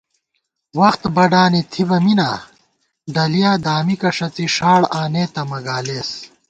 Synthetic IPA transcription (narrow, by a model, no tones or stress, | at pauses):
wɐxt̪bɐɖaːnit̪ʰibɐminaː | ɖɐlijaːd̪aːmikɐʂɐt͡siʂaːɽaːneːt̪ɐmɐɡaːleːs